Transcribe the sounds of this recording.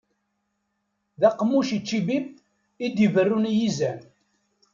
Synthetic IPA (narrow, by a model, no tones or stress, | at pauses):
ðæqːmːuʃit͡ʃːibim | id̪jivərːunjizæn